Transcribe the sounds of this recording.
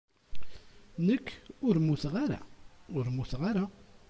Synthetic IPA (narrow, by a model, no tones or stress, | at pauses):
nəkːʊɾmuθʁaɾa̰ʊɾmuθʁaɾa